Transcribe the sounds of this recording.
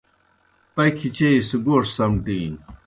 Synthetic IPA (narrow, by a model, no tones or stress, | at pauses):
pɐjkʰit͡ɕeiseɡoːʂsɐmʈiːn